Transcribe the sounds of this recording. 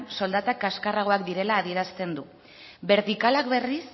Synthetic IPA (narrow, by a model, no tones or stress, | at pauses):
nso̞ld̪at̪akaskaraɣ̞o̞akd̪iɾe̞laːð̞ie̞ɾast̪e̞nd̪u | be̞ɾt̪ikalakβe̞ris